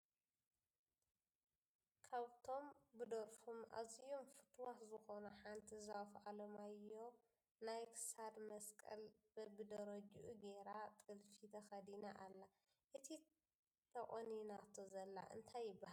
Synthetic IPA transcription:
kʰaβt̪ʰo̞mbɨd̪ɐɾfuma̰zijomfɨt̪ʰwaħzɨxo̞nɐħant̪ʰizafalɐmajːo̞ | najkʰɨ̥sad̪mɐskʼɐ̰lbbɨd̪ɐɾɐd͡ʒʔuɡeɾat̪ʼɨlfit̪ʰɐxɐd̪inaʔalːa | ʔɨt̪ʰi | t̪ʰɐʔʼoninat̪ʰozɐlːa̰ʔɨ̰nt̪ʰajːɪbːahal

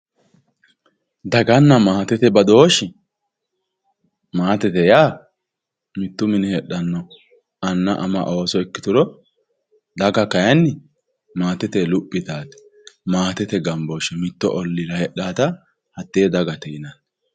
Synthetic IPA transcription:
d̪ɐɡɐnːɐmaːt̪ɛt̪ɛbɐd̪oːʃɪ | maːt̪ɛt̪ɛjaː | mɪt̪ːʊmɪnɛhɛɗːɐnːɔ | ɐnːɐʔɐmɐ̰ʔo̞ːsɔɛkːɪ̥t̪ʊɾɔ | d̪ɐɡɐkɐjɐnːɪ | maːt̪ɛt̪ɛlʊpʼːɪt̪aːt̪ɛ̥ | maːt̪ɛt̪ɛɡɐmboːʃɛmɪt̪ːɔ̰ʔɔlːɪɾɐhɛɗaːt̪ɐ | hɐt̪ːeɛd̪ɐɡɐt̪ɛɪnaːt̪

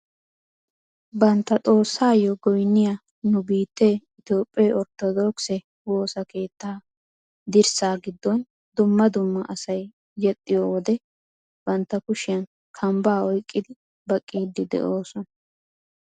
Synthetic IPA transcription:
bɐnt̪ːɐtʼo̞ːsːaːjɔɡɔjnːɪja | nʊbiːt̪ːeːɪt̪jo̞ːpʼːɛɔɾt̪ɔd̪oːksɛ | wo̞ːsɐke̞ːt̪ːaː | d̪ɪɾsaːɡɪd̪ːɔn | d̪ʊmːɐd̪ʊmːɐʔɐsɐjː | ɛt̪ʼːɪjɔwɔd̪ɛ | b̥ɐnt̪ːɐkʊʃɪjɐn | kʰɐmbaːɔjkʼːɪd̪ɪ | bɐkʼːiːd̪ːɪd̪ɛ̰ʔo̞ːsɔnɐ

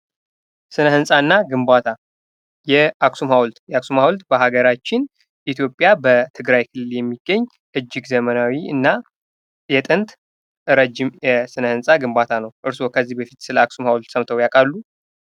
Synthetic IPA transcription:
sɨnəhɨnsʼaɨnːaɡɨmbat̪ʰa | jɛaksumhawlt̪jɛaksumhawult̪bəɦaɡəɾat͡ʃːɪn | ʔit̪ʰjo̞pʼjabət̪ʰɨɡɾajkʰɨlɨljɛmːiɡːəɲː | ʔɨd͡ʒːɪɡzəmənawiɨ̰nːa | jɛt̪ʼɨnt̪ | ɾəd͡ʒːɪmjɛsɨnəhɨnsʼaɡɨmbat̪ʰanəwʔɨɾso̞kʰəzːihbəfit̪sɨləaksumhawlt̪səmt̪ʰəwjakʼalːu

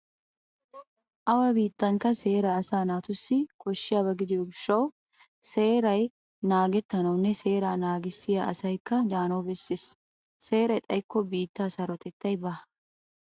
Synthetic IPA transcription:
ʔɐwɐbiːt̪ːɐŋkɐse̞ːɾɐːsaːnaːt̪ʊsːɪkɔʃːɪjɐbɐɡɪd̪ɪʊbʃːɐw | se̞ːɾɐj | naːɡɛt̪ːɐnɐwnːɛse̞ːɾaːnaːɡɪsːɪjɐʔɐsɐjkːɐd̪aːnɐwbɛsːɪsː | e̞ːɾɐjt̪ʼɐjkːɔbiːt̪ːaːsɐɾɔt̪ɛt̪ːɐjbɐ

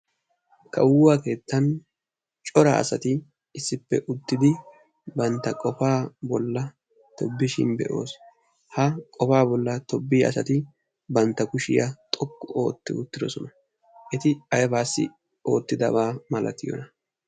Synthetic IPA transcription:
kʰɐwʊːwaːke̞ːt̪ːɐn | t͡ʃʼɔɾa̰ɐ̰sɐt̪ɪ | ɪsːɪpːɛʔʊt̪ːɪd̪ɪ | bɐnt̪ːɐkʼɔfaːbɔlːɐ | t̪ɔbːɪʃɪ̰nbɛ̰ʔo̞̰ːs | hɐkʼɔfaːbɔlːɐt̪ɔbːiːɐ̰sɐt̪ɪ | bɐnt̪ːɐkʊʃɪjɐt̪ʼɔkːʊʔo̞ːt̪ːɪ̰ʊt̪ːɪd̪ɔsɔnɐ | ʔɛt̪ɪɐjɐbaːsːɪ̰ | o̞ːt̪ːɪd̪ɐbaːmɐlɐt̪ɪjɔ̰nɐ

